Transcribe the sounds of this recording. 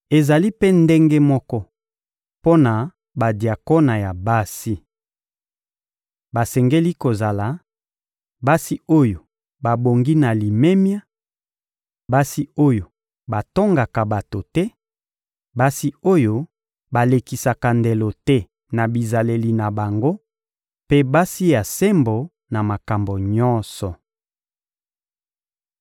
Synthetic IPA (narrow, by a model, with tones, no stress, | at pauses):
e˨za˨li˦pe˦nde˦ŋɡe˦mɔ˦kɔ˦ | po˦na˨ | ba˨dja˨ko˦na˨ja˨ba˦si˦ | ba˨sɛ˨ŋɡe˦li˦ko˨za˨la˨ | ba˦si˦o˦jo˨ | ba˨bo˨ŋɡi˦na˨li˨me˦mja˦ | ba˦si˦o˦jo˨ | ba˨to˦ŋɡa˨ka˨ba˨to˨tɛ˦ | ba˦si˦o˦jo˦ | ba˨le˨ki˨sa˨ka˨nde˨lo˨tɛ˦ | na˨bi˨za˨le˨li˨na˨ba˨ŋɡo˦ | pe˦ba˦si˦ja˨se˦mbo˨ | na˨ma˨ka˨mbo˨ɲɔ˦nsɔ˨